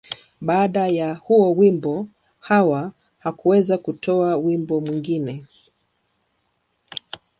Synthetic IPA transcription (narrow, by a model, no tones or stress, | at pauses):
ɓaːɗajahuɔwimbɔ | hawa | hakuwɛzakutʰɔawimbɔmwiŋɡinɛ